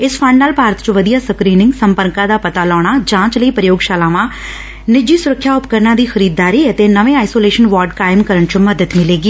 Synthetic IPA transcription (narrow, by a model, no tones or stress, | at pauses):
ɪspʰəɳɖnːaːlpaːɾət̪t͡ʃə̃ʋəd̪ijaːsəkɾiːnɪ̃ŋɡsəmpəɾkãːd̪aːpət̪aːlɔːɳaːd͡ʒãːt͡ʃləiːpɾəjoːɡʃaːlaːʋãː | nɪd͡ʒiːsʊɾəkʰːjaːʊpkəɾnãːd̪iːxʰəɾiːd̪ːaːɾiːət̪eːnəʋẽːaːisoːleːʃənʋaːɾɖkaːɪmkəɾəɳt͡ʃəməd̪ət̪mɪleːɡiː